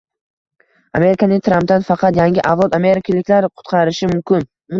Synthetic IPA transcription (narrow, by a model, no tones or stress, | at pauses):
ame̞ɾɪkʰanɪŋt̪ʰɾamp̚t̪anfɑqʰɑt̪jaŋɡʲɪʔavlˠɒt̪ame̞ɾɪkʰʲalɪkʲlaɾqʰʊ̥t̪qʰɑɾɪʃɪmʊmkʲʰɪn | mʊ